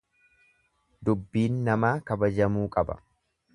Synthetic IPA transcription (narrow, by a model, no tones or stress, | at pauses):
d̪ʊbːiːnːɐmaːkɐbɐd͡ʒɐmuːkʼɐbɐ̰